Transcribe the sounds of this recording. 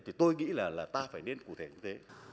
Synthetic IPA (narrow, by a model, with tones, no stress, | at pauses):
t̪ʰi˨˩t̪o˧jŋḭ˧˥laː˨˩laː˨˩t̪aː˧faː˧˩jne˧nku˧˩t̪ʰe˧˩ɲɨ˧t̪ʰe˨˦